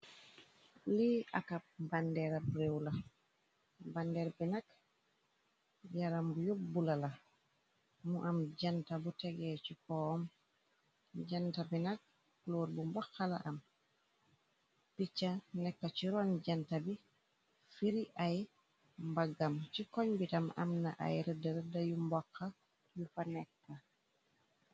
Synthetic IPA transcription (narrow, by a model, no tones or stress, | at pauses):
lia̰kabandɛɾabɾewla | bandɛɾbinak | jaɾambujobːulala | muʔamd͡ʒantabutɛɡɛt͡ʃikɔɔm | d͡ʒantabinak̚ | ploːɾbumbɔxːala̰ʔam | pit͡ʃːanɛkːat͡ʃiɾɔnɟantabi | fiɾiʔaj | mbaɡamt͡ʃikɔɲbitama̰mna̰ʔa̰jɾədɐɾdajumbɔkːa | jufanɛkːa